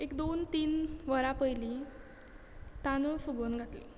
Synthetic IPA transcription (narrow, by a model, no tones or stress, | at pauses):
ekd̪ont̪iːnʋəɾapəjli | t̪anufuɡənɡʱat̪li